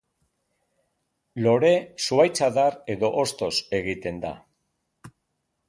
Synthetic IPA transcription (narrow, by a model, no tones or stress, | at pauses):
lo̞ɾe̞suajt͡saðaɾe̞ðo̞ʔost̪o̞se̞ɣit̪e̞nd̪a̰